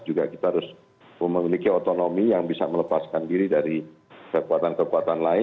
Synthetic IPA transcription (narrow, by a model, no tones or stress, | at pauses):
d͡ʒuɡakit̪aaɾʊs | əməmilikiot̪onomijaŋbisa̰mələpaskandiɾidaɾi | kəkuat̪ankəkuat̪anlaɪ